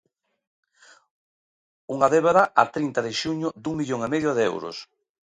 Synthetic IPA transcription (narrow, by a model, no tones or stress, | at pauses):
uŋaðeβaðaʔat̪ɾint̪ɐðɪʃuɲʊd̪uŋmiʎoŋemeðjʊðeḛwɾʊ̰s